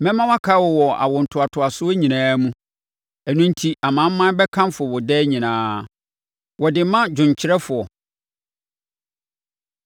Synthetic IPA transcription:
mɛ̃˦mã˦wa˦kʰa˦wɔ˨wɔ˨a̰˨wɔ˨n̩˨tʰʊ˨a˨tʰʊ˨a˨sʊ˦e˦ɲĩ˨nãː˦mũ˦ | æ˨nũ˦n̩˦tʰi˨ʔa˨mã˨˦mã˦bɛ˦kʰã˦m˦fʊ˨ɔ˨wɔ˨dɛː˦ɲĩ˨nãː˨˦ | wɔ˨dɪ˨˦mã˦d͡ʑᶣʊ̃˨ɲ˨t͡ɕʰɪ˦ɾɛ˦fʊ˨ɔ˨

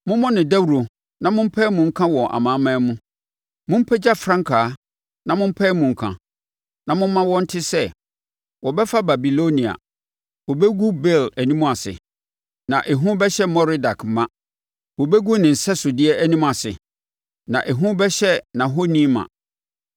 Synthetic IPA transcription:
mʊ̃˦mɔ̃˦nɪ̃˨da˦wɾo˨ | nã˨mʊ̃˦m̩˦pʰɛː˦mʊ̃˨ŋ̩˦kʰã˦wɔ̃˨ʔa̰˨mãː˨˦mã˦mũ˦ | mʊ̃˦m̩˦pʰɛ˦d͡ʑa˦fɾã˦ŋkʰaː˨˦ | nã˨mʊ̃˦m̩˦pʰɛ˦mũ˨ŋ̩˨kʰã̰˨ | nã˨mʊ̃˦m̩˦mã˦wɔ̃˦n̩˦tʰɪ˦sɛ˦ | wɔ˨bɛ˦fa˦ba˨bi˨lo˦nĩ˨a̰˨ | wɔ˨bɛ˦ɡu˦bɛ˦˨læ˨nĩ˦mũ˦a˨sɪ̰˨ | nã˨ʔɛ˨ɦũ˦bɛ˦ɕɛ˦mɔ˦ɾi˦da˨kʰmã˦ | wɔ˨bɛ˦ɡu˦nɪ̃˨n̩˨sɛ˦sʊ˨dɪ˦ɛ˦ʔæ˦nĩ˦m̃˦a˨sɪ̰˨ | nã̰˨ʔe˨ɦũ˦bɛ˦ɕɛ˦nã˨ɦo˦nĩ˦mã̰˨

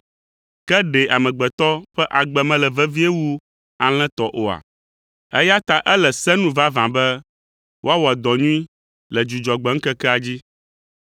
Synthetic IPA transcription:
kɛ˦ɖɛ˨a˨mɛ̃˨ɡ͡bɛ˨t̪ɔ˦ɸɛ˦ʔa˨ɡ͡bɛ˨mɛ̃˨lɛ˨vɛ˦vi˦e˦wu˦ | a˨l̃ɛ̃˦t̪ɔ˨ʔo˨a̰˨ | ɛ̰˦ja˦t̪a˦ʔɛ˦lɛ˨sɛ̃˦nũ˦va˦vã˨bɛ˦ | wʔo˦a˦wɔ˨a˨d̪ɔ˨ɲũ˦ĩ˦ | lɛ˨d͡ʒu˨d͡ʒɔ˨ɡ͡bɛ˨˦ŋ̩˦kɛ˦kɛ˦a˨d͡ʑi˦

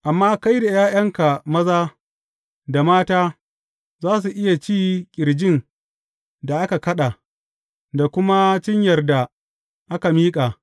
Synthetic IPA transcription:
ʔa˨mːaː˦ka˦jda˨jaː˦jɐ˦ŋka˨mɐ˦zaː˦ | da˨maː˦taː˦ | zaː˦s̬u˨ʔɪ˦ja˨t͡ʃiː˦kʲʼɪ˨ɾd͡ʒɪ˦n | da˨ʔa˦ka˨kɐ˦ɗa˨ | da˨kʷʊ˦ma˦t͡ʃɪ˦ɲjɐ˨rda˨ | ʔa˦ka˨miː˦kʼa˨

